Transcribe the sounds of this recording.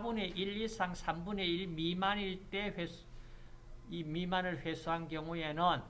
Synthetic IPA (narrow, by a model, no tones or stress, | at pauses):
bune̞ʔiɭːis͈ʰaŋsʰambune̞iɭmimaniɭt͈e̞ɸe | imimanɯɭɸwesʰuɦankjʌŋue̞nɯn